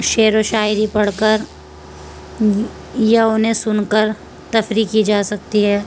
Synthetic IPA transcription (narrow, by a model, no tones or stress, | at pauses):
ʃeːɾoʃaːɪɾipɐɽ̤kəɾ | jaʊnɦẽsʊnkəɾ | t̪ɐfɾikid͡ʒaːsɐk̚t̪iɦɛː